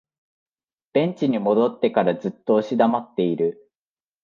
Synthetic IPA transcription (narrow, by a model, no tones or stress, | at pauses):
b̥ẽ̞ɲ̟t͡ɕiɲ̟imo̞d̪o̞t̪ːe̞kaɾazɨt̪ːo̞ːɕid̪amat̪ːe̞iɾɯ̟